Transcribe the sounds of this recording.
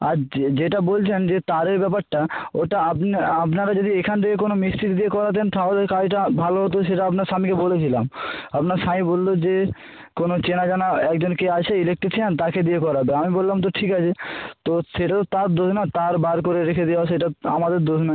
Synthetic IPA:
aɾd͡ʑeʈabolt͡ɕʰend͡ʑet̪aɾeɾbɛpaɾʈaoʈaapnapnaɾad͡ʑod̪iekʰant̪ʰekek̬onomist̪iɾd̪iekɔɾat̪̬ent̪ʰaolkaʈabʱaloɦot̪oʃeʈaapnaɾʃamikebolet͡ɕʰilamapnaɾʃamĩbolːod͡ʑe | konot͡ɕenad͡ʑanaɛk̚d͡ʑonkeat͡ɕʰeilek̚ʈit͡ɕʰiant̪aked̪ijekɔɾabeamibolːamt̪̬oʈʰikat͡ɕʰet̪oʃeʈat̪ot̪aɾd̪od͡ʒnat̪aɾbaɾkoɾeɾekʰed̪iaoʃeʈaa̰mad̪eɾd̪osna

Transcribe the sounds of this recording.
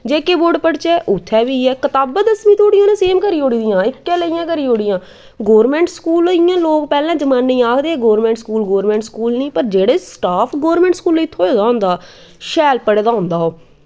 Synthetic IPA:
d͡ʒeːkeːboɖpəɽt͡ʃeːʔʊt̪ʰːɛːʋiːɛːkət̪aːbəd̪əsmĩːt̪ʰoːɽijãːnẽːseːmkəɾiːoːɽiːd̪ijãːɪkkeːləijãːkəɾiːɦoːɽijãː | ɡoːɾmɛ̃ːɳʈskuːlɪjãːloːkpɛːlãːd͡ʒəmãːnːeĩːaːkʰd̪eːɛːɡoːɾmɛ̃ːɳʈskuːlɡoːɾmɛ̃ːɳʈskuːlnĩːpəɾd͡ʒeːɽeːsʈaːpʰɡoːɾmɛ̃ːɳʈskuːliːɪt̪ʰːoːoːd̪aːʊ̃nd̪aː | ʃɛːlpəɽeːd̪aːɦʊ̃nd̪aːɦoː

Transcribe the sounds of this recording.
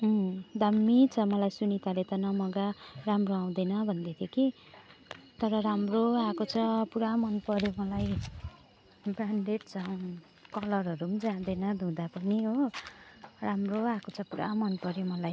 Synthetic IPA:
d̪ʱʌmːit͡sʰʌmʌlajsunit̪alet̪ʌnʌmʌɡaramroãw̃d̪enʌbʱʌnd̪et̪ʰjeki | t̪ʌɾʌɾamroakot͡sʰʌpuɾamʌnpʌɾjomʌlaj | braɳɖeʈ̚t͡sʰʌw̃ | kʌlʌrɦʌɾumd͡zãd̪enʌd̪ʱũd̪apʌniɦo | ramroakot͡sʰʌpuɾa̰mʌnpʌɾjemʌlaj

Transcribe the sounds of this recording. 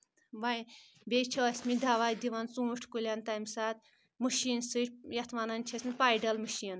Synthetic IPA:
ʋɐj | bʲet͡ʃʰɐsʲmid̪aʋajd̪iʋɐnt͡sũːuʈʰkulʲɐnt̪amisaːt̪̚ | muʃiːnsɨt͡ʃjɐt̪ʰʋanɐnt͡ʃʰisʲmipajɖɐlmɨʃin

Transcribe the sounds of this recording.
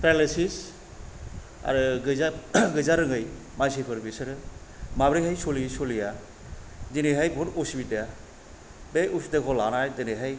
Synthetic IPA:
pʰɾelesis | a̰ɾɯɡɯzaɡɯjzaɾɯŋɯj | majs̬ipʰɯɾbisɯɾɯmabɾijɦajsolisolija | dinijɦajbʱɔtusbida | beʔusdekʰɔlanajdɯnejɦaj

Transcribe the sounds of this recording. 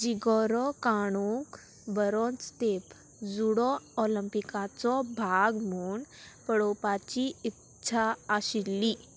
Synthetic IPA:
d͡ʑiɡɔɾɔkaɽ̃uk | bəɾɔ̃nt͡st̪ep | d͡zuɽɔɔləmpikat͡sɔbʱaɡmuːɳpəɽopat͡ɕiit | t͡ɕʰaaɕilːiː

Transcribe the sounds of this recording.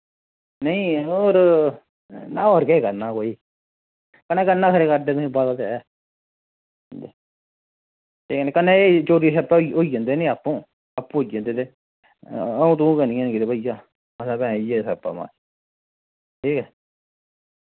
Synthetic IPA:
nəĩːoːɾ | nãːoːɾkɛeːkəɾnaːkoːiː | kənɛːkənaːkʰəɾeːkəɾdeːmːbad̪t̪ɛ | e | ʈʰiːkɛnẽːkənẽːet͡ʃoːɾiːsɛːpaioid͡ʒãːnd̪eːnẽːapːõː | apːũːɦoid͡ʒãːnd̪eːt̪eː | əũːt̪̬ũːkənĩːãːnːkɪt̪ebəijaː | məsaːbɛ̃ːiːɛːsɛːpa̰ːmã̰ː | ʈʰiːkɛː

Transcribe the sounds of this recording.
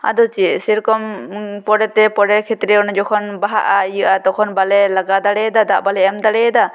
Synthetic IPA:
a̰d̪ɔt͡ʃisiɾkɔmpɔɖɛt̪ɛpɔɖɛkʰet̪ɾɛɔnd͡ʒɔkʰɔnbaɦa̰ʔajuʔat̪ɔkʰɔnbalɛlaɡad̪aɽɛd̪ad̪aʔbalɛɛmd̪aɽɛd̪a

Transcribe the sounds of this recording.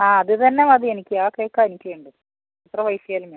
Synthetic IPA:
aːɐðɨt̪ɐnːemɐðɨe̞nikʲːɨaːkːɐjokːanikʲːɨʋeːɳɖɨ | ɐt̪rɐʋɐjfjaːlume

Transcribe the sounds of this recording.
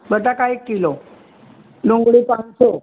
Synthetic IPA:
bəd̪akaekːilo | loŋɡɽipãnsɔ

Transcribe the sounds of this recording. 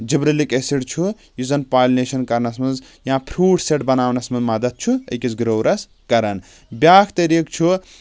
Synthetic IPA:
d͡ʒibɾelikesiɽt͡ʃʰu | juzɐnpaːlʲneʃɐnkɐɾnɐsmɐnz | jãːpʰɾuːʈseʈbɐnaːwnɐsmɐnzmɐd̪ɐt̪̚t͡ʃʰuɐ̰jkisɡɾoːwɾʔɐs | kɐɾɐn | bjaːkʰt̪ɐɾikt͡ʃʰu

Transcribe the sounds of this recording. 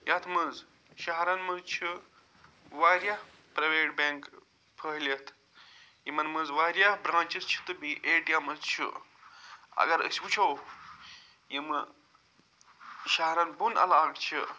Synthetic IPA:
jat̪ʰmɐz | ʃɐɦɾɐnmɐzt͡ʃʰi | ʋaːɾjah | pɾɐʋeːʈbeŋk | pʰəɦlʲɐt̪ʰ | jimɐnmɨzʋaːɾjabɾãːnt͡ʃizt͡ʃʰi̥t̪ɨbiʔeːʈijamɨzt͡ʃʰḭ | ɐ̰ɡɐɾə̰sʲwut͡ʃʰow | jimɨ | ʃɐɦɾɐnbunɐ̰laːkt͡ʃʰi

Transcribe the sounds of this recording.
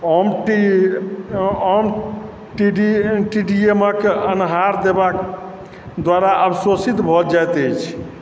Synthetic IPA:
ɔmʈi | ɔm | ʈiɖiʈiɖieməkeənɦaɾd̪ebak | d̪waɾaʔəbsosit̪bʱɔd͡ʒajt̪əjt͡ʃʰ

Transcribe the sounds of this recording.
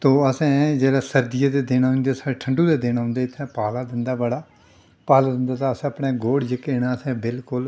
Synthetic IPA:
t̪õːəsɛ̃ːd͡ʒeːɽaːsəɾd̪ɪjaːd̪eːd̪eːnaːɦʊ̃nd̪eːsaːeʈʰəɳɖuːd̪eːd̪eːñaːɦʊ̃nd̪eːɪt̪ʰːɛ̃ːpaːlaːd̪ɪnd̪aːbəɽaː | paːlaːd̪ɪnd̪aːt̪aːəsɛ̃ːəpɽeːɡoːɽd͡ʒɪkeːnaːəsɛ̃ːbɪlkʊl

